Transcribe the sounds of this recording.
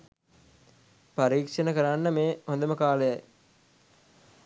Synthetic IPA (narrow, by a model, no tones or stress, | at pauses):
paɾiːkʂənəkəɾanːəmeːɦond̪əməkaːləjaj